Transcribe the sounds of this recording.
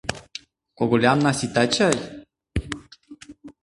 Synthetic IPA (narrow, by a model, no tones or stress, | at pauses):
koɡulamnasit̪at͡ʃaj